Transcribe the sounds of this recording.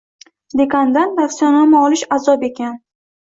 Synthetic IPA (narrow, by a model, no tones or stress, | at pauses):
d̪e̞kʲʰand̪and̪aksjɒnamɪɒlˠɪʃazɒpe̞kʲan